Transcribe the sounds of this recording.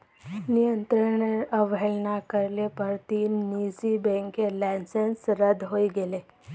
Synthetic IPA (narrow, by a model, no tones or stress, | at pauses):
nijənt̪ɾəɳeɾəʋeɭnakəɾlepəɾt̪iːnːid͡zibẽŋkelansensɾəd̪ʱɦoiɡele